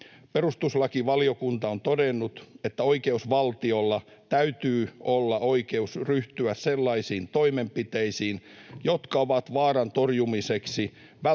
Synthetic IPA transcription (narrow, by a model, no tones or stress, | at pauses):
perust̪uslɑkiʋɑliokunt̪ɑont̪odenːut̪et̪ːæoikeusʋɑlt̪io̞lːɑ | t̪æyt̪yːolːɑʔo̞ike̞usryht̪yæsselːɑisiːnt̪o̞imempit̪eisiːnjot̪kɑoʋɑt̪ʋɑːrɑnt̪orjumiseksi | ʋæ